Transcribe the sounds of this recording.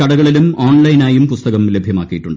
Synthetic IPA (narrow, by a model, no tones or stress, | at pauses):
kɐɽɐɣɐɭilumoːɳlɐjnaːjumpust̪ɐɣɐmlebʱjɐmaːkːijiʈːuɳɖɨ